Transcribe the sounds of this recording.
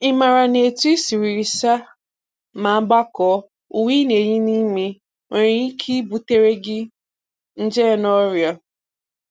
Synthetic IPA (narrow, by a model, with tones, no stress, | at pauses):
ɪ˦ma˨ɾa˨ne˨tu˦i˦si˨ɾi˨ɾi˨sa˦ | ma˨˦ɡ͡ba˦kɔ˨˦ | u˨wi˦ne˨ɲi˦ni˦mi˦ | ŋe˨ɾi˨i˦kʰi˦bu˨te˦ɾe˦ɡɪ˦ | n̩˦d͡ʒɛ˦˨nɔ˦ɾjɔ˨